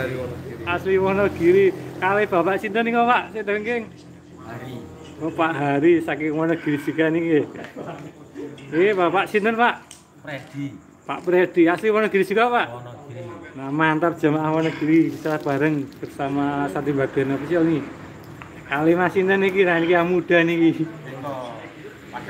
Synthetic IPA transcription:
asliwɔnɔɡ̥iɾikaleb̥apaʔsint̪ənikɔpaʔset̪əŋkeŋ | wɔpaʔɦaɾisakewɔnɔɡ̥i̤ɾid͡ʒ̥ukanike | ebapaʔsint̪ənpaʔ | d | pa̰ʔpɾed̪̥iaslimɔnɔɡ̥iɾid͡ʒ̥ukapaʔ | namant̪ard̥d͡ʒ̥amaʔahmɔnɔɡ̥i̤ɾibisaɾab̥aɾəŋb̥ərsamasat̪ibad̥a̤napisiɔlni | kalimasint̪ənikinanikiamud̥aniki

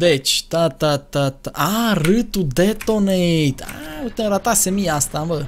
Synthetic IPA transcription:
d̪et͡ʃʲt̪at̪at̪at̪aʔaɾɨt̪ud̪et̪onet̪a̰ot̪eɾat̪asemiast̪ambə

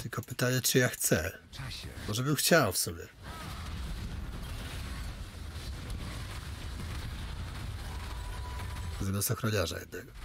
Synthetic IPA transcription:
t̪ɘlkʰɔpɘt̪aɲɛt͡ʂɘjaxt̪sɛ | mɔʐɛbɘmxt͡ɕawfsɔbʲjɛ | zamʲast̪ɔxɾɔlʲaʐa̰jɛ̰d̪naɡ

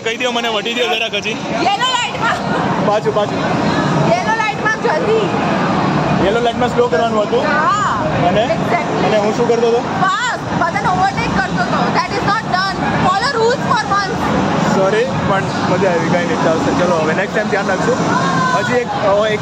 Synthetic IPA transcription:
kəid̪ijoməneʋəʈid̪ijodeɾakəd͡ʒi | jelolaɪʈmãbãt͡ʃʰubãt͡ʃʰujelolaɪʈmãd͡ʒʱət̪i | jelolaɪʈmãslokəɾʋanũɦət̪ũɦaməneɛɡzɛk̚ʈləneɦũʃũːkəɾt̪ot̪o | ba | sbəd̪anoʋəɾʈekːəɾt̪ot̪ʰod̪æʈɪznɔʈnənfɔləɾulzfɔɾmʌnssɔɾipəɳ | məd͡ʒaeʋiɡãĩnit͡ʃalsəɾt͡ʃəloɦəʋeneksʈːajmt̪jãnlaksũɦəd͡ʒiek̚ek

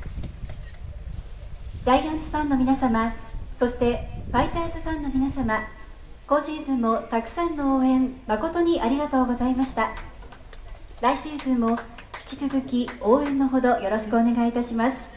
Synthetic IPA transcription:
d͡ʑaiãnsɨ̥ɸãnːo̞mʲinasamaso̞ɕi̥t̪e̞ɸait̪aːzɨɸãnːo̞mʲinasama | ko̞ːɕiːzɨ̃mːo̞t̪akɯ̟̥sãnːo̞oːẽ̞mmako̞t̪o̞ɲ̟iʔaɾʲiɡat̪o̞ːɡo̞zaimaɕi̥t̪a | ɾaiɕiːzɨ̃mːo̞ | çʲi̥kʲi̥t͡sɨzɨkʲioːẽ̞nːo̞ɦo̞d̪o̞jo̞ɾo̞ɕi̥kɯone̞ɡait̪aɕimasɨ̥

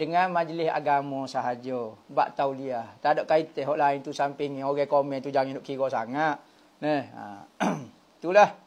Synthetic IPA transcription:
dəŋanmad͡ʒlɪsa̰ɡamɔsaɦad͡ʒɔba̰ʔt̪auliat̪adɔʔkait̪ɛɦɔʔlaɪnt̪usampiŋoɡɛkomɛnt̪ud͡ʒaŋindʊʔkiɡɔsa̰ŋat̪̚ | nɛha̰ | t̪ulah

